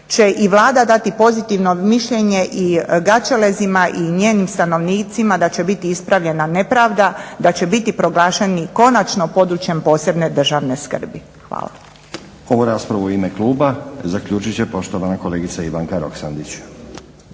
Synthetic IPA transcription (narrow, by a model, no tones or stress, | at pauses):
t͡ʃe̞ʔiʋlˠaːd̪ad̪at̪ipo̞zit̪iʋno̞miʃʎe̞ɲe̞ʔiɡat͡ʃele̞zimaʔiɲeːnimst̪ano̞ʋniːt̪simad̪at͡ɕe̞bit̪iispɾaʋʎe̞nane̞pɾaːʋd̪ad̪at͡ɕe̞bit̪ipɾo̞ɡlˠaːʃe̞niko̞nat͡ʃno̞po̞d̪ɾut͡ʃje̞mpo̞ːse̞bne̞d̪r̩ʒaʋne̞skr̩bi | xʋa̰ːlˠa̰ | o̞ʋoɾaːspɾaʋuoimekluːbazakʎuːt͡ʃit͡ɕepo̞ʃt̪oʋanako̞leːɡit̪saiʋaŋkaɾo̞̰ksand̪it͡ɕ